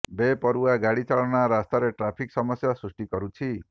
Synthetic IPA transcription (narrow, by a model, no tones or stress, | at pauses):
bepɔɾuaɡaɽit͡ʃaɭɔɽaɾast̪aɾeʈɾapʰiksɔmɔsjasɾusʈikɔɾut͡ʃʰi